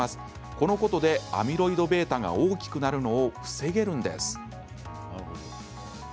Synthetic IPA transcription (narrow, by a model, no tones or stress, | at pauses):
asɨ̥ | ko̞no̞ko̞t̪o̞d̪e̞a̰mʲiɾo̞id̪o̞be̞ːt̪aɡa̰oːkʲi̥kɯ̟naɾɯ̟no̞ːɸɯ̟̥se̞ɡe̞ɾɯ̟̃nd̪e̞̰sɨ̥ | aoo